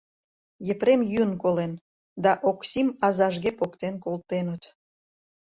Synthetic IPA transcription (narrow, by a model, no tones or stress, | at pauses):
jə̆pɾemjynkolen | d̪ɑʔoksʲimɑzɑʒɣepokt̪enkolt̪enət̪